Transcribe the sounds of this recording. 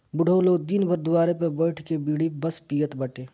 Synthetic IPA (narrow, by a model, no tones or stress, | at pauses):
bʊɖʱəloːd̪inbʱəɾd̪ʊwaːɾepɐbəɪʈʰkebiːɽibəspijət̪bəʈeː